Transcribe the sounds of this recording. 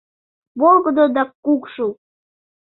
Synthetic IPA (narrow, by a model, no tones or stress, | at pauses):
βolɡə̆d̪od̪ɑkːukʃu